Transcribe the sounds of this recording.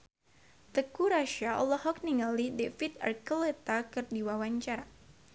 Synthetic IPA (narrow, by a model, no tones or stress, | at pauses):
t̪əkuɾaʃaɔ̰lɔhɔk̚niŋalidefit̪a̰rkəlet̪akɨrdiwawaɲt͡ʃaɾa